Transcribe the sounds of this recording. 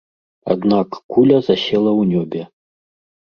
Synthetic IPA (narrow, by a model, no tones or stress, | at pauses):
a̰d̪nakːulʲɐzasʲɛlˠɐwnʲɔbʲɛ